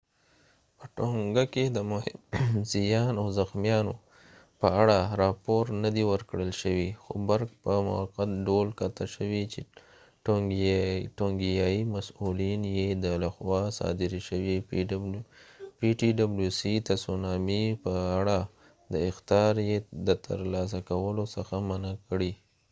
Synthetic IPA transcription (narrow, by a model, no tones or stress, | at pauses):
pəʈoŋɡaked̪əmhzijɑnawzaxmijɑno | pəaɽaɾɑpoɾnad̪iwəɾkɽəlʃəwixobaɾɡ̚pəmʊ̰waqat̪ɖolkat̪aʃəwit͡ʃe | ʈ | ʈoŋɡijɑjimasulinjed̪əlaxwɑsɑ̰d̪ɪɾiʃəwi | piʈiɖabljusit̪asunɑmipəaɽa | d̪əɪxt̪jɑɾjed̪ət̪ʰə̰ɾlɑs̬akawəlosəxamanakɽi